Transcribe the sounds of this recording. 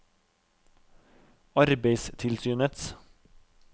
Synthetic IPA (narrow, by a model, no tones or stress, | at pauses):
ɑɾbeɪst̪ʰɪlsyːnət̪s